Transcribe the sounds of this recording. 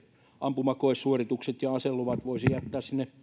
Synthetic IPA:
ʔɑmpumɑkoissuorit̪ukset̪jɑɑselːoʋɑt̪ʋoisijæt̪ːæːssinːe

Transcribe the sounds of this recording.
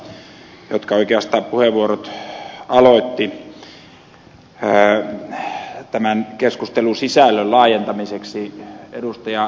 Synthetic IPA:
jot̪kɑoikeɑst̪ɑːppuheʋʋuorot̪ɑloˑit̪ːi | t̪æmænkeskust̪elusisælːøllɑːjent̪ɑmiseksiḛdust̪ɑjɑ

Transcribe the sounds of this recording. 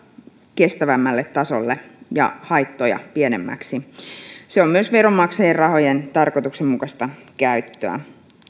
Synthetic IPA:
ke̞st̪æʋæmːælːet̪ːɑsolːejɑ̰hɑjt̪ːojɑ̰piene̞mːæ̰ksiseo̞mːyøsʋeɾomːɑksejerrɑho̞jent̪ɑrko̞t̪uksemmukɑst̪ɑkæyt̪ːø̰æ̰

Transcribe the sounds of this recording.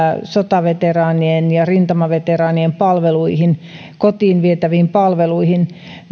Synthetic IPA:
sot̪ɑʋet̪erɑːnienjɑrint̪ɑmɑʋet̪erɑːniempɑlʋeluihin | kot̪iːnʋiet̪æʋiimpɑlʋeluihin

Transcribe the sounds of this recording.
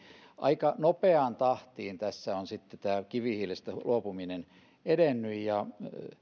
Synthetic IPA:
ʔɑ̰ikɑnopeɑnt̪ɑht̪iːnt̪æsːæonsit̪ːet̪æːkiʋihilest̪ælʔuopuminen | eɾenːyjjɑ

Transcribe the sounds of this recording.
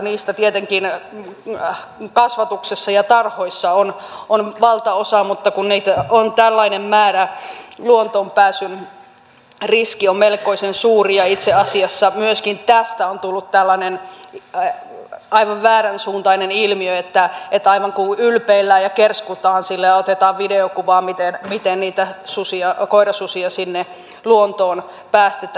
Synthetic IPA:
niːst̪æt̪iet̪eŋkin | kɑsʋɑt̪uksesːɑjɑt̪ɑrhoisːɑonʔonʋɑlt̪ɑosɑmut̪ːɑkunniːt̪æont̪ælːɑinemmæːɾæluont̪oːmpæːsyn | riskiommelkoisensuːriɑit̪seɑsiɑsːɑmyøskint̪æst̪æont̪ulːut̪t̪ælːɑnen | ɑiʋɑʋʋæːɾænsuːnt̪ɑinenilmiøet̪ːæet̪ːɑiʋɑŋkuylpeilːæːjɑkerskut̪ɑːnsilːejɑot̪et̪ɑːʋʋideokuʋɑːmit̪enmit̪enniːt̪æsusiɑkoiɾɑsusiɑsinːe | luont̪oːn | pæːst̪et̪æ

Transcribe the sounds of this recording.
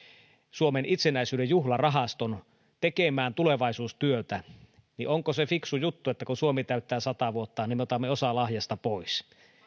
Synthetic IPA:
suomenʔit̪senæisyːdejjuhlɑrɑɦɑst̪on | t̪ekemæːnt̪uleʋɑisuːst̪yøt̪æ | niʔoŋkosefiksujut̪ːuet̪ːækusuomet̪æyt̪ːæːsɑt̪ɑʋuot̪ːɑːnimːeot̪ɑmːeosɑlɑhjɑst̪ɑpois

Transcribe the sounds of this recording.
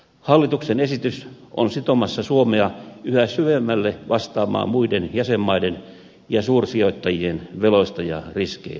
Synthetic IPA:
hɑlːit̪uksenesit̪ys | ʔo̰nsit̪omɑsːɑsuomeɑyhæsyʋemːælːeʋɑst̪ɑːmɑ̰ːmmuidenjæsemːɑiden | jɑsuːrsioit̪ːɑjienʋeloist̪ɑjɑ̰riskḛi

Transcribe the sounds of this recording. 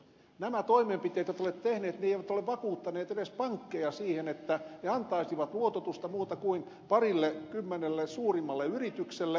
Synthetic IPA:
næmæt̪oimempit̪eːt̪jot̪olet̪t̪ehneːt̪neeiʋæt̪oleʋʋɑkuːt̪ːɑneːt̪edespɑŋkːejɑsiːhenet̪ːæneɑnt̪ɑisiʋɑt̪luot̪ot̪ust̪ɑmuːt̪ɑkuin | pɑrilːekymːenelːesuːrimːɑlːeyrit̪ykselːe

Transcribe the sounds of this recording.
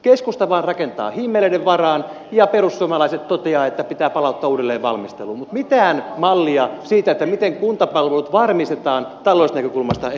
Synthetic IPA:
keskust̪ɑʋɑːnrɑkent̪ɑ̰ːhimːeleiɾeʋʋɑrɑːn | jɑperusːuomɑlɑiset̪t̪ot̪eɑːet̪ːæpit̪æːpɑlɑut̪ːɑːuːdelːeːʋʋɑ̰lmist̪eluːmut̪mit̪æːnmɑlːiɑsiːt̪æet̪ːæmit̪eŋkunt̪ɑpɑlʋelut̪ʋɑrmist̪et̪ɑːnt̪ɑlːˑoisnækøkulmɑst̪ɑ

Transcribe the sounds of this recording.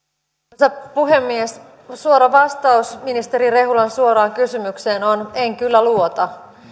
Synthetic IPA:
sepuɦe̞mːies | suoɾɑʋɑst̪ɑusminist̪e̞ɾire̞ɦulɑnsuoɾɑːŋkysymykseːnoneŋkylːæluot̪ɑ

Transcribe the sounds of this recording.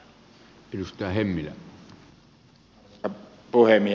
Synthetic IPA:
elust̪ˑæːˑhemːilæ̰ | ɑpuhemi

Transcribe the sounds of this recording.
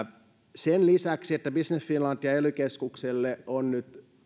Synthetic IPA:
senlisæksiet̪ːæbisnesfinlɑnt̪ːiɑelykeskukselːeonnyt̪

